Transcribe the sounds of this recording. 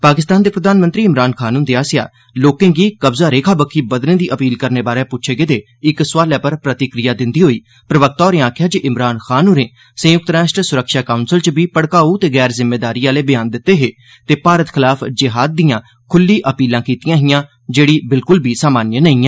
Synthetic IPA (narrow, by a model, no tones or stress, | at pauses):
paːkɪst̪aːnd̪eːpɾəd̪aːnmə̃nt̪ɾiːɪmɾaːnkʰaːnuːnd̪eaːsɪja̰ː | loːkẽːɡiːkəbzaːɾeːkʰaːbəkʰːiːbəd̪nẽːd̪iːʔəpiːlkəɾneːbaːɾeːpʊtːt͡ʃʰeːɡeːd̪eː | ɪksʋaːlɛːpəɾpɾət̪ɪkɾɪjaːd̪ɪ̃nd̪iːɦoːiː | pɾəʋək̚t̪aɔːɾẽːaːkʰɪjaːd͡ʒeːʔɪmɾaːnxʰaːnoːɾẽː | sə̃jʊk̚t̪ɾaːʃʈɾsʊɾəkʃaːkaːʊnsəlt͡ʃəbiːpəɽkaːut̪eːɡɛːɾzɪmːeːd̪aːɾiːaːleːbɪjaːnd̪ɪt̪ːeːɦeː | t̪eːpaːɾət̪kʰɪlaːfd͡ʒɪɦaːd̪̚ːijãː | kʰʊlːiːʔəpiːlãːkiːt̪ijãːɦɪjãː | d͡ʒeːɽiːbɪlkʊlbiːsaːmaːnjənəĩːaː